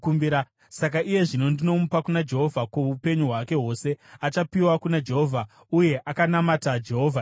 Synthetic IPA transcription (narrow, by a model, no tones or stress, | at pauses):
kumbiɾa | sak̬aʔije̞ʐino̞ndino̞mupakunad͡ʒe̞ɦo̞vʱakwoupe̞ɲuɦwake̞ɦo̞ːse̞at͡ʃapiwakunad͡ʒe̞ɦo̞vʱa | uje̞ʔakanamatad͡ʒe̞ɦo̞ːvʱa